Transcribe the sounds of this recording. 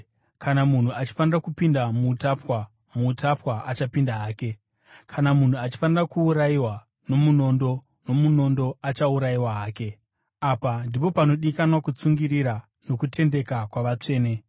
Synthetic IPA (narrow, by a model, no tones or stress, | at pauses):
kanamun̤uat͡ʃi̥fanirakupindamuːtapwa | mutapwaʔat͡ʃapindaɦaːke̞ | kʰanamun̤uat͡ʃi̥fanirakuːɾaiwa | no̞muno̞ndo̞ | no̞muno̞ndo̞at͡ʃauɾajiwaɦaːke̞ | apandipo̞pano̞ɗikanwakut͡suŋɡiɾiɾa | no̞kutʰe̞nde̞kakwaʋat͡ʂe̞ːne̞